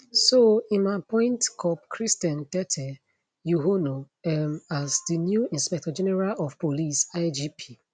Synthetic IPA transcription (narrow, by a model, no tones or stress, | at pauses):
soĩnmapɔ̃ɪ̃ntkʰɔpkʰɾistãntɛtʰɛ | juɦono | ɛmazdinjuĩnspɛk̚tɔd͡ʒenɛɾalɔfpolisaɪd͡ʒipʰi